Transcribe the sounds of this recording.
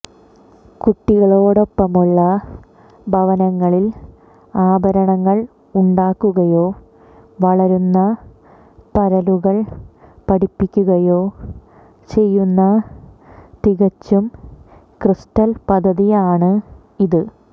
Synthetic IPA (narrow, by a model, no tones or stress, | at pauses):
kuʈːiɣɐɭo̞ːɽo̞pːɐmuɭːɐ | bʱɐʋɐnɐŋːɐɭil | aːbʱɐɾɐɳɐŋːɐɭ | uɳɖaːkːuɣɐjo̞ː | ʋɐɭɐɾunːɐ | p̪ɐɾɐluɣɐɭpɐɽipːikʲːuɣɐjo̞ː | t͡ɕe̞jːunːɐ | t̪iɣɐt͡ɕːum | krist̪ɐlpɐd̪ʱːɐðijaːɳɨ | iðɨ